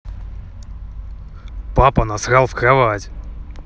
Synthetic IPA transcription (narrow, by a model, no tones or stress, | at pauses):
papənɐsɾalˠfkɾɐvatʲ